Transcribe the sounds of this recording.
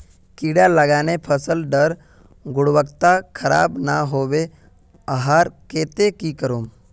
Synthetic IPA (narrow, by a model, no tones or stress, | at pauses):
kiːɽaləɡaːnepʰəsəlɖəɾ | ɡʊɽwəkt̪akʰəɾa̰ːbnaɦoːʋe | əɦaːɾkeːt̪ekikəɾuːm